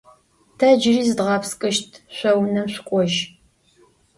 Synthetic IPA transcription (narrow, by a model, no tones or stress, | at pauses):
tʰɐd͡ʒɪriːzɨdʁɑːpskʼɨʃtʰɕʷɐwnɐmɕʷʊkʷʼɔʒ